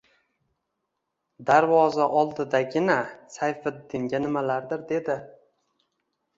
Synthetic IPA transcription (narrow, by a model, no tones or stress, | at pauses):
d̪aɾvɒzaʔɒlˠd̪ɪd̪aɡʲɪnasajfɪd̪ːɪŋɡʲanɪmalaɾd̪ɪɾd̪e̞d̪ɪ